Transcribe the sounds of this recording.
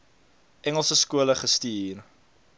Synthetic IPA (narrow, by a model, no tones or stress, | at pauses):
ʔɛŋəlˠsəskuələχəstiːr